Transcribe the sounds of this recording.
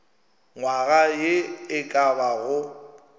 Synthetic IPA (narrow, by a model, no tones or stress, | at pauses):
ŋwaɣajɪɪkʼabaɣʊ